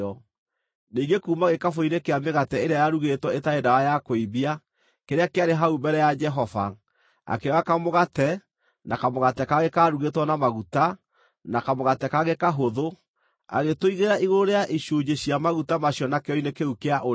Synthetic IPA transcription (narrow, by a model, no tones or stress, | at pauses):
ɔ | niːŋɡekuːmaɣekafoinekeameɣatɛeɾeajaɾuɣetwɔetaedawajakoiβia | keɾeakeaɾeɦaubɛɾɛjad͡ʒɛɦɔva̰ | a̰keɔakamoɣatɛ | nakamoɣatɛkaɣekaɾuɣetwɔnamaɣuta | nakamoɣatɛkaɣekaɦoðo | a̰ɣetoiɣeɾaʔiɣoɾoɾeaʔiɕuːd͡ʒeɕiamaɣutamaɕjɔnakeɔinekeukeaʔo